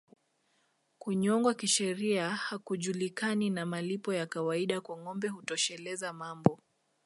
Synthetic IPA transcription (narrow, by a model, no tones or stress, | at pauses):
kuɲɔŋɡwakiʃɛɾiahakuʄulikaninamalipɔjakawaiɗakwaŋɔmbɛhutɔʃɛlɛzamambɔ